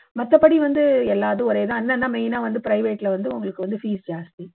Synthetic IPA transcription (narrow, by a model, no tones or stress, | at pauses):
mɐt̪ːɐpːɐɽiʋɐnd̪ɯɛlːaːðɯ̃ɔɾeːðãːɐnːɐnːamɛɪnaːʋɐnd̪ɯpɪɾɐɪʋeːʈːlɐʋɐnd̪ɯʊŋɡɐɭɯkːɯʋɐnd̪ɯfiːsd͡ʒaːst̪i